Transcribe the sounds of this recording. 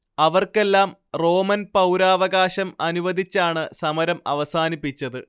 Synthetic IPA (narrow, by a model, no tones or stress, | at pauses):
ɐʋɐrke̞lːaːmro̞ːmɐnpɐwɾaːʋɐɡaːɕɐmɐnuʋɐd̪ʱit͡ɕːaːɳɨsɐmɐɾɐmɐ̰ʋɐsaːnipːit͡ɕːɐðɨ